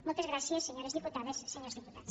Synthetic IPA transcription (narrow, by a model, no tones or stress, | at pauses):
mũt̪ɐzɣɾasiɐsːeɲoɾezðiput̪aðɐsseɲoɾzðiput̪aðɐs